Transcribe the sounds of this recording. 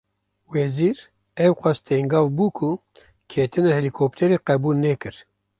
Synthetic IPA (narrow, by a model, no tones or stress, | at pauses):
wɛziːɾ | ɛwqʷɑst̪ʰeŋɡɑːvbuːkʰu | kʰeːt̪ɨnɛhɛlikʰop̚t̪ʰɛɾeːqɛbuːlnɛkɨɾ